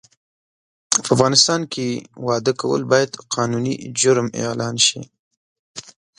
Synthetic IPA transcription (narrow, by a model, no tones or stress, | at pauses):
pəafɣɑnɪst̪ɑnkʰewɑd̪əkawə̰lbɑjad̪qʰɑnunid͡ʒʊɾmjɑ̰lɑnʃḭ